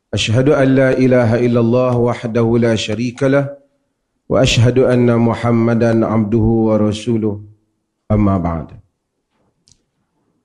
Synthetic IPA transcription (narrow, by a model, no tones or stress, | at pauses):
ʔaʃɦad̪ʊʔanːaːʔɪlaːɦaʔɪlːalˤːɑːhwaħd̪ahʊlaːʃaɾiːkalah | wa̰ʔaʃɦad̪ʔanːamʊħamːad̪anʕab̚d̪ʊhʊwɑɾˤɑsuːlʊh | ʔamːaːba̰ʕd̪